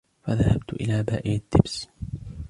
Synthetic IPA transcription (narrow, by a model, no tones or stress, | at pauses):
faðahabt̪ʊʔɪ̰laːbaːʔɪjad̪ːɪbs